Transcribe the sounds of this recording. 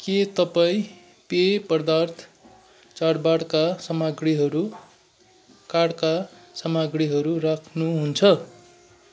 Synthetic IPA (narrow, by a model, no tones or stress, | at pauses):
ket̪ʌpaĩ | pepʌrd̪art̪ʰ | t͡sarbaɽkasʌmaɡriɦʌɾu | kaɽka | sʌmaɡriɦʌɾurakʰnuɦunt͡sʰʌ